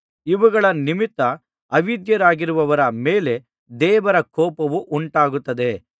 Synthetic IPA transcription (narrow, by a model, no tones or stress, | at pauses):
iʋuɡɐɭɐnimit̪ːɐ | ɐʋid̪jɐɾaːɡiɾuʋɐʋɐɾɐmeːle̞ | d̪ɛːʋɐɾɐkɔːpɐʋuʔuɳʈaːɡut̪ːɐd̪e̞